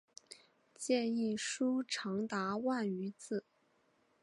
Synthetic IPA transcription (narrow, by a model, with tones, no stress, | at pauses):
t͡ɕjɛ˥˧ni˥˩ʂu˥ʈ͡ʂʰɑ˧˥ŋt̪a˧˥wa˥˩ny˧˥t͡sɹ̩˥˩